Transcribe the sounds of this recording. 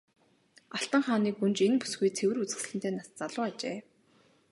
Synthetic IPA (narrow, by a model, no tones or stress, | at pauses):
aɬt̪ə̆ɴχaːniːkunt͡ɕenpu̥sɡujt͡sʰewɘ̆rut͡sɘ̆xɮɘ̆nt̪ʰeːnast͡saɮʊːat͡ɕeː